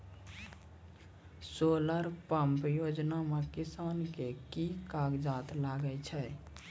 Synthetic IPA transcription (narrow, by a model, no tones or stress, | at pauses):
soləɾpəmpjod͡ʒnamekisankekikaɡd͡ʒat̪laɡət͡ʃʰɛ